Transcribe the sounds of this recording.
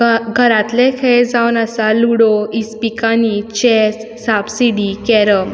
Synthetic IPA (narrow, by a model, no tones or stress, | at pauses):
ɡʱəɾãt̪lẽkʰed͡zawnəsaluɽoispikanit͡ɕɛsːabsiɖikɛɾə